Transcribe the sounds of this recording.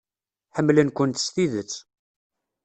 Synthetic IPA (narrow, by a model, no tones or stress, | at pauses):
ħəmːlənkʷənt̪st̪iðət͡sː